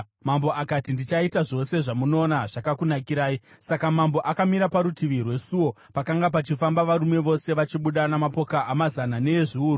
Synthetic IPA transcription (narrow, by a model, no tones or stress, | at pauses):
mamboʔakatindit͡ʃaitaʐo̞se̞ʐamuno̞ːnaʐ̥akakunakiɾaːi | sakamambo̞ʔakamiɾapaɾutiʋirwe̞suwo̞ | pakaŋɡap̬at͡ʃifambaʋaɾume̞ʋo̞se̞ʋat͡ʃiɓuɗanamapo̞kaʔːmazanane̞ːʐiuːru